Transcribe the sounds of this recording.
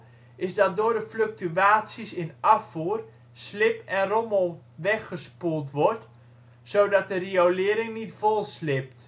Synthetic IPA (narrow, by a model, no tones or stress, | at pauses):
ɪsdɔt̚dʊːrdəfløk̚tyaːtsisɪnafuːər | slɪpɛnromo | ʋɛxəspulˠtʋɔrt | sowdɔt̚dəriowlɪəɾɪŋnitfolˠslɪp̚t